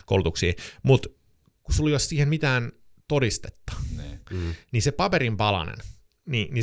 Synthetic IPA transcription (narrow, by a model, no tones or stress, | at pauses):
ko̰ulut̪uksḭːmut̪ | kusulːojossiːhemmit̪æːnt̪odist̪e̥t̪ːɑ̥ | nisepɑpeɾimpɑlɑ̰nḛn | nini